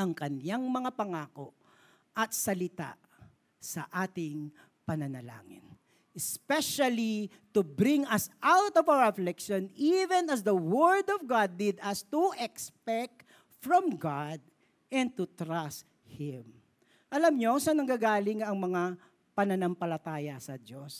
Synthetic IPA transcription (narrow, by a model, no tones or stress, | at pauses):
ʔɐŋkɐnjaŋmɐŋapɐŋaːkoʔ | ʔɐt̪sɐlɪt̪a̰ | sɐ̰ʔaːt̪ɪŋ | pɐnɐnɐla̰ːŋɪ̰n | ʔɛspɛʃɐli | t̪ubɾɪŋɐsʔawt̪ɔvawə˞ɐflɛkʃonivɛnɐsd̪ɐwɛɹd̪ɔvɡad̪ːɪd̪ɐst̪uʔɛkspɛk̚t̪ | fɹɔ̃mɡad̪̚ | ɛ̃nd̪̚t̪ut̪ɾast̪̚ | hɪm | ʔɐlɐmɲosɐnɐŋɡaɡaːlɪŋɐŋmɐŋa | pɐnɐnɐmpɐlɐt̪aːjɐsɐdos